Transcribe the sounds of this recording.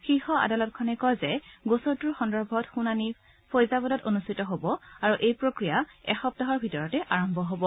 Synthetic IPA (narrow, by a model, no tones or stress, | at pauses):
xixɔa̰dalɔtkʰɔnɛkɔjzɛɡosɔtuɹxɔndɔɹbʱɔtxunani | pʰojzabɔdɔtonustʰitɔɦobɔaɹuʔejpɹokɹijaɛ̰xɔp̚taɦɔɹbʱitɔɹɔtɛʔaɹɔmbʱɔɦobɔ